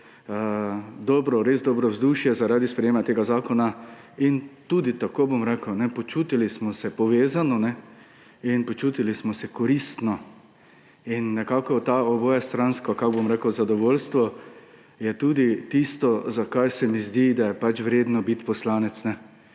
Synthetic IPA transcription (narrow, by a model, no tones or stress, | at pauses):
əd̪ɔːbɾɔɾezd̪ɔːbɾɔwzd̪uʃjɛzaɾaːd̪ispɾɛjeːmat̪eːɡazaːkɔna | int̪uːd̪it̪akoːbomɾɛːkəwnɛpɔt͡ʃuːt̪ilismɔsɛpɔʋeːzanɔnɛ | inpɔt͡ʃuːt̪ilismɔsɛkɔɾist̪nɔ | inːɛkaːkɔt̪aɔbɔːjast̪ɾanskakaɡbomɾekəwzad̪ɔʋoːlst̪ʋɔ | jɛt̪uːd̪it̪ist̪ɔzakaɾsɛmizd̪id̪ajɛpat͡ʃʋɾeːd̪nɔbit̪pɔslaːnɛt̪snɛ